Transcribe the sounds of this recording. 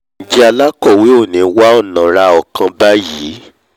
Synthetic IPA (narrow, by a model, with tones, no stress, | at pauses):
n̩˨d͡ʒɛ˦a˧la˦kɔ˦˨we˨˦o˦˨nĩ˨˦wa˦ɔ˦˨nã˨ɾa˧ɔ˨kã˧ba˦jiː˨˦